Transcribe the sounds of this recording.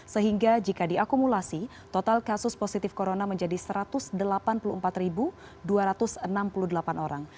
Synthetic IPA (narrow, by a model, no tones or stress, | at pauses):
səɦiŋɡad͡ʒikadiakumulasi | t̪ot̪alkasʊsposit̪ɪfkoɾonaməɲd͡ʒadisəɾat̪ʊsdəlapanpuluəmpat̪ribu | duaɾat̪ʊsənampuluhdəlapanoɾaŋ